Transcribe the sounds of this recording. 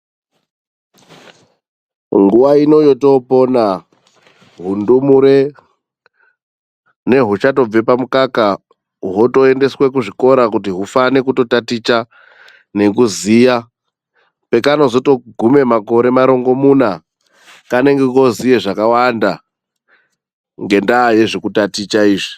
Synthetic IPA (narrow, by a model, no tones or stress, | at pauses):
ŋɡuʋaino̞joto̞po̞na | ɦundumuɾe̞ | ne̞ɦut͡ʃato̞b͡ve̞pamukaka | ɦo̞to̞e̞nde̞swe̞kuʐiko̞ɾakut̬iɦufanekuto̞tatit͡ʃa | ne̞kuziːja | pe̞kano̞zo̞to̞ɡʱume̞mako̞ɾe̞maɾo̞ŋɡo̞muna | kane̞ŋɡekozijeʐakawanda | ŋɡe̞ndaːje̞ʐekutatit͡ʃaiːʐi